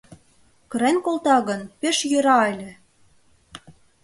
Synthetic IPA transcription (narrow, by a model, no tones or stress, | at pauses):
kɤ̆ɾenʲkolt̪ɑɣɤ̆npeʃjø̆ɾɑɑlʲĕ